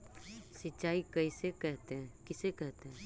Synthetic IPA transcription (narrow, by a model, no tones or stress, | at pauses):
sɪtʃaːikɐisekɛɦt̪eɛ̃kɪsekɛɦt̪eɦɛ̃